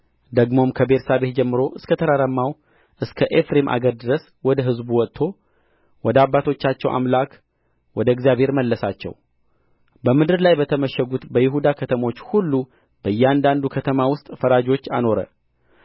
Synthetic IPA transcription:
d̪əɡmo̞mkʰəbe̞ɾsabe̞t̪̚d͡ʒɛmːɨɾo̞ʔɨskʰət̪ʰəɾəɾəmːaw | ʔɨskʰəʔefɾemʔa̰ɡəɾd̪ɨɾəs | wɔd̪əɦɨzbuwɔt̪t̪ʰːo̞ | wɔd̪əabːat̪ʰo̞t͡ʃːat͡ʃːɛwʔa̰mlak | wɔd̪əɛɡzijaβhe̞ɾməlːəsat͡ʃːɛ̰w | bəmɨd̪ɨɾlajbət̪ʰəməʃːəɡut̪bəjɪɦud̪akʰət̪ʰəmo̞t͡ʃːhulːu | bəjːɛand̪and̪ukʰət̪ʰəmawʊst̪ʼfəɾad͡ʒo̞t͡ʃːa̰no̞ɾə̰

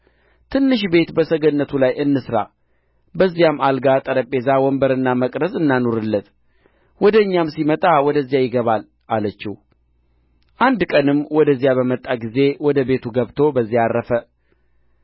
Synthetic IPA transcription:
t̪ʰɨnːɨʃ̬be̞t̪bəsəɡənːət̪ʰulajʔɨnːɨsɾa̰ | bəzːijamalɡat̪ʼəɾəpʼːe̞zawɔmbəɾɨnːaməkʼɾəsɨnːanoɾɨlːət̪ | wɔd̪əɨɲːamsimət̪ʼawɔd̪əzːjajɪɡəβal | ʔalət͡ʃːɪh | ʔand̪kʼənɨmːwɔd̪əzːijaβəmət̪ʼːaɡize̞wɔd̪əbe̞t̪ʰuɡəβt̪ʰo̞bəzːiarːəfə

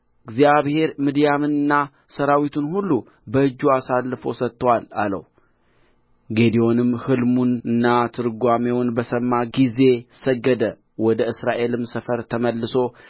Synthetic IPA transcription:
ʔɨɡzijaβhe̞ɾmɨd̪ijamɨnɨnːa | səɾawit̪ʰunhulːu | bəɨd͡ʒːuasalːɨfo̞̰sət̪ːəwalalə̰w | ɡe̞d̪io̞nɨmhɨlmunɨnːat̪ʰɨɾɡʷamewnbəsəmːaɡize̞səɡːəd̪ə | wɔd̪əɨsɾaʔe̞lɨmsəfəɾt̪ʰəməlːɨso̞

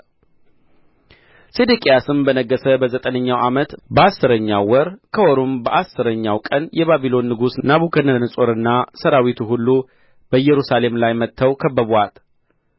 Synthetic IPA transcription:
sed̪ukʼejasɨmbənəɡːəsəbəzət̪ʼənəɲːawʔamət̪bəasːɨɾəɲːa̰wɔɾkʰəwɔɾumbəʔasːɨɾəɲːawkʼənjɛβaβilo̞nːɨɡusnaβukʰənɨnɨsʼo̞ɾɨnːasəɾawit̪ʰuɦulːu | b̥əjːɛɾusale̞mlajmət̪ʰːəwkʰəbːəβal

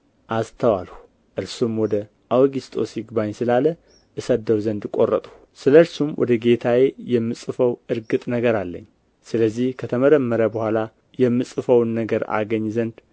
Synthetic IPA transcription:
ʔast̪ʰəwalhu | ʔɨɾsumwɔd̪ə | ʔawɡist̪ʼo̞siɡbaɲsɨlalə | ʔɨsəd̪əwzənd̪kʼo̞rːə̰t̪ʼu | sɨləɨɾsumwʔɔ̰d̪əɡe̞t̪ʰawejɛmːɨsʼɨfəwɨɾɡɨt̪ʼnəɡəɾalːə̰ɲː | sɨləzːihkʰət̪ʰəməɾəmːəɾəbəhʷala | jɛmːɨsʼɨfəwnːəɡəɾa̰ɡəɲːzənd̪

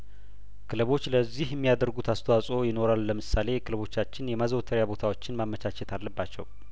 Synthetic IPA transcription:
kʰɨlɨβo̞t͡ʃːləzːihjɛmːijad̪əɾɡut̪ʰast̪ʰəwasʼo̞jɪno̞ɾalːəmɨsale̞jɛkʰɨlɨβo̞t͡ʃːat͡ʃːɪnjɛmazəwt̪ʰəɾjabot̪ʰawo̞t͡ʃːɪnmamːət͡ʃʰat͡ʃɛt̪ʰalːəbːat͡ʃːɛ̰w

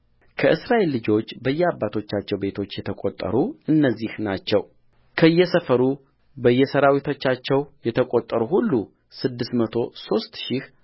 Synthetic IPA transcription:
kʰəʔɨsɾaʔelːɨd͡ʒo̞t͡ʃːbəjːɛabːat̪ʰo̞t͡ʃːat͡ʃːɛwbe̞t̪ʰo̞t͡ʃːjɛt̪ʰəkʼot̪ʼːə̰ɾuɨnːəzːihnat͡ʃːɛw | kʰəɨjːɛsəfəɾu | bəɨjːɛsəɾawit̪ʰo̞t͡ʃːat͡ʃːɛwjɛt̪ʰəkʼo̞t̪ʼːəɾuhulːu | sɨd̪ːɨst̪mət̪ʰo̞so̞st̪ʃih

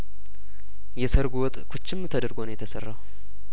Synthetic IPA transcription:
jɛsəɾɡuwɔt̪ʼkʰut͡ʃːɪmːt̪ʰəd̪əɾɡonjɛt̪ʰəsə̰rːaw

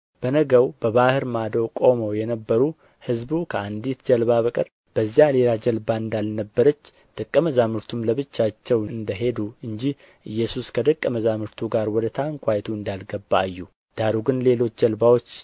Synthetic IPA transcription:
b̥ənəɡəwb̥əβahɨɾmad̪əwkʼo̞mowjɛnəbːəɾu | hɨzbukʰəand̪it̪d͡ʒəlbaβəkʼəɾ | b̥əzːjale̞lad͡ʒəlbaɨnd̪alnəbːəɾət͡ʃː | d̪̥əkʼːəməzamɨɾt̪ʰumləβɨt͡ʃːat͡ʃːɛwɨnd̪əɦe̞d̪uɨnd͡ʒih | ʔɨjːɛsuskʰəd̪əkʼːəməzamɨɾt̪ʰuɡaɾwɔd̪ət̪ʰaŋkʷʰajt̪ʰuɨnd̪alɡəbːaːjːu | d̪̥aɾuɡɨnle̞lo̞t͡ʃːd͡ʒəlbawo̞t͡ʃː

